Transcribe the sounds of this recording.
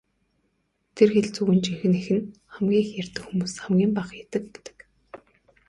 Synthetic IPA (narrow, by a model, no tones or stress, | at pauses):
t̪ʰerxeɮt͡suɣɘ̆nt͡ɕiŋxɘ̆nexɘ̆nχæmɡʲiːxjær̥ʲt̪ɘ̆kxumuːsχamɡʲiːmpaːχjat̪ɘ̆k̚pe̥t̪ə̥̆k